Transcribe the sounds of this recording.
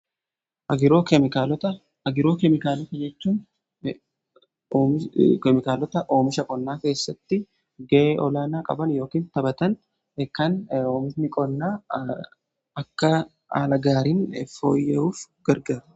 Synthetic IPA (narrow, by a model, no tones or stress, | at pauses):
ʔɐɡɪɾo̞ːkɛmɪkaːlɔt̪ɐ | ɐɡɪɾo̞ːkɛmɪkaːlɔt̪ɐd͡ʒɛt͡ʃːuːn | kɛmɪkaːlɔt̪ɐʔoːmɪʃɐkʼɔnːaːke̞ːsːɐt̪ːɪ | ɡɛʔeːʔɔlaːnaːkʼɐ̰bɐnjo̞ːkiːnt̪ɐbɐt̪ɐn | ɛkːɐnoːmɪʃnɪkʼɔnːaː | ɐkːɐ | a̰ːlɐɡaːɾiːnfo̰ːjeuːfɡɐɾɡɐɾ